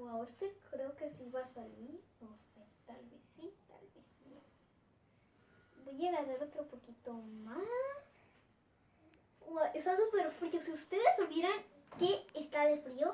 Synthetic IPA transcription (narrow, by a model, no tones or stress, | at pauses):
wawest̪ekɾeokesiβasaliɾnoset̪alβesit̪a̰lβesno | bojalaβeɾot̪ɾopokit̪omas | wawʔest̪asupe̞ɾfɾiosiust̪eðesoβjeɾaŋ | keːst̪aðefɾio